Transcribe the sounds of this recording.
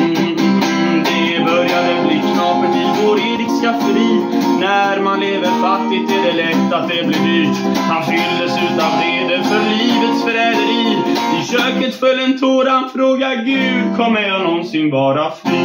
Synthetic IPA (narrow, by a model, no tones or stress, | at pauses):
d̪ɛ | bœɾjad̪əbliːkʰnɑːfəʈʰɪvoːɾeːɾɪkskafɾiː | næɾmanleːvəɾfat̪ːɪt̪ʰːɪld̪ɛlɛt̪ːat̪̚d̪ɛblɪvyːʈ | hanfʏld̪ɛsʉ̟ːt̪ɔat̪ed̪əɾfœɾɭiːvət̪sfœɾɛd̪əɾiːɪɕøːkət̪fœlːənt̪ʰoːɾanfɾoːɡaɡʉ̟ːd̪kʰɔmːəɾjɑnɔnsɪŋvɑːɾafɾiː